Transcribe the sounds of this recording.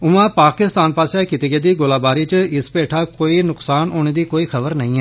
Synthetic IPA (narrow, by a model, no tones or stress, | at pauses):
ʊmãːpaːkɪst̪aːnpaːsaːkit̪iːɡeːd̪iːɡolaːbaːɾiːt͡ʃəɪspeːʈʰaːkoːiːnʊksaːnoːɽ̃eːd̪iːkoːiːxʰəbəɾnəĩːɛ